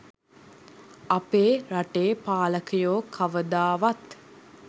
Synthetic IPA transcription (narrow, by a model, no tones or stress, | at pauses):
apeːɾaʈeːpaːləkəjoːkʰaʋəd̪aːʋat̪